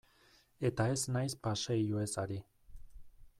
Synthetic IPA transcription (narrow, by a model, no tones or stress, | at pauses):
e̞t̪ae̞snajspaʃaijuesaɾi